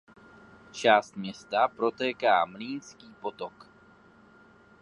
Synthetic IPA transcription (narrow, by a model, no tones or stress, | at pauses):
t͡ʃaːst̪mɲɛst̪apɾo̞t̪ɛːkaːmliːnskiːpo̞t̪ok